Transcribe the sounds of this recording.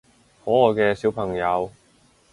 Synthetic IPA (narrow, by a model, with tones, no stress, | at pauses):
hɔː˨˥ɔː˨jkɛː˧siː˨˥wpʰɐ˨˩ŋjɐ˨˧w